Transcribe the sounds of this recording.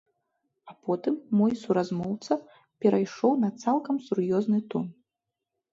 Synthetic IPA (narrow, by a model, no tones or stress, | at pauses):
apɔt̪ɨmːɔjsuɾazmɔwt̪sɐ | pʲɛɾajʂɔwnɐt̪salˠkɐmsurjɔznɨt̪ɔn